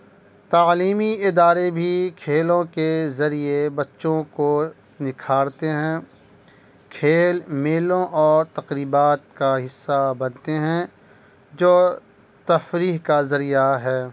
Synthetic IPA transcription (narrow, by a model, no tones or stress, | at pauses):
t̪aːliːmiɪd̪aːɾebʱikʰeːlõkezɐɾiebɐtːʃõko | nɪkʰaːɾt̪eɦɛ̃ | kʰeːlmeːlõʔɔːɾt̪ɐqɾiːbaːt̪̚kaɦɪsːabɐnt̪eɦɛ̃ | d͡ʒoː | t̪ɐfɾiːɦkazɐɾijaɦɛː